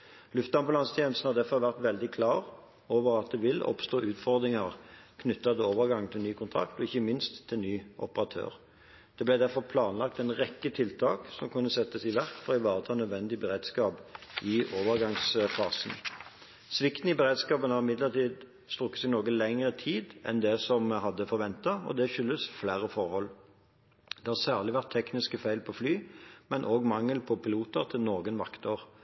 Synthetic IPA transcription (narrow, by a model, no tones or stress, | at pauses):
lʉft̪̚d̪ɑmbʊlɑnst̪ʰjeːnəst̪n̩hɑʁd̪æʁfɔʁʋæʁt̪ʋɛld̪ɪkʰlɑːʁ | oːʋəʁɑt̪̚d̪ɛʋɪlɔ̰pst̪oːʉːt̪fɔʁd̪ʁɪŋɑʁkʰnʏt̪ːɑd̪əoːʋəʁɡɑŋt̪ʰɪlnyːkʰʊnt̪ʰʁɑ̰k̚t̪ɔɪçːəmɪnst̪ʰːɪlnyːʔɔpəʁɑt̪ʰø̰ːʁ | d̪̥ɛblæɪd̪æʁfɔʁpʰlɑːnlɑk̚t̪ɛnʁɛkːət̪ʰɪlt̪ʰɑːksɔmkʉnːəsɛt̪ːəsɪʋæʁkfɔʁɔɪʋɑːʁət̪ʰɑːnœd̪ʋɛnd̪ɪbəʁeːd̪skɑːpɪʔoːʋəʁɡɑŋsfɑːsən̩ | sʋɪkt̪n̩ɪbəʁeːd̪skɑːpənɑʁɪmɪd̪ləʁt̪ʰiːd̪ | st̪ʁʊkːə̥sɪnoːɡənlɛŋəʁət̪ʰiːd̪ɛ̰nd̪ɛsɔmɦɑd̪ːəfɔʁʋɛnt̪ɑɔ̰d̪ɛʃʏlːəsflæːʁəfɔʁhɔl | d̪ɛhɑːsæːʁlɪʋæʁt̪ʰːɛknɪskəfæɪlpʰɔflyːmɛnʔoːɡmɑŋːəlpʰɔpʰɪluːt̪əʁt̪ʰɪlnoːɡənʋɑkt̪oːʁ